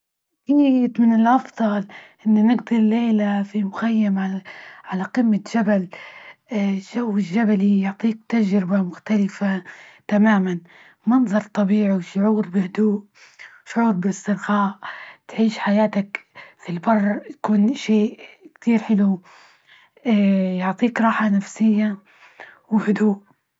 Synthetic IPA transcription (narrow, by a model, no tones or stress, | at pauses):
kiɪt̪mɪnɪlʔɑfðˤɑlʔɪnːanɪɡd̪ɪlːeːlafimʊxajːamʕaʕalaqɪmːaʒabal | ʃawːɪʒːabalijʊʕt̪ˤiːk̚t̪ad͡ʒɾɪbamʊxt̪alɪfat̪amaːman | mɑnðˤɑɾˤt̪ˤɑbiːʕiʃʊʕuːɾbɪhʊd̪uːʔ | ʃʊʕuːɾbɪɪst̪ɪɾɣaːʔt̪ʕiːʃħajaːt̪akfilbɑrˤːj̪akuːnʃeːkt̪iːɾħɪlu | jʊʕt̪ˤiːkɾˤɑːħanafsɪjːa | wɪhʊd̪uːʔ